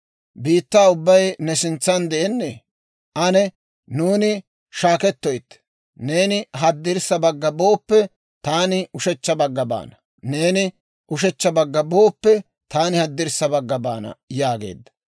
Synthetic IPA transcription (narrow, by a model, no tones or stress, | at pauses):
biːt̪ːaːʊbːɐjnɛsɪnt͡sːɐnd̪ɛʔɛnːɛ | ʔɐnɛ | nuːnɪ | ʃaːkɛt̪ːɔjt̪ː | ne̞ːnɪɦɐd̪ːɪɾsɐbɐɡːɐbo̞ːpːɛ | t̪aːnɪʊʃɛt͡ʃːɐbɐɡːɐba̰ːnɐ | ne̞ːnɪ | ʊʃɛt͡ʃːɐbɐɡːɐboːpːɛ | t̪aːnɪhɐd̪ːɪɾsːɐbɐɡːɐba̰ːnɐ̰jaːɡe̞̰ːd̪ːɐ̥